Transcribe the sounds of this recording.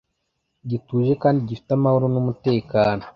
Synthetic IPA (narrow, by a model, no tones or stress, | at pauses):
ɟituːʒe̞kaːndiɟifi̥tamahoɾonumute̞ːkaːno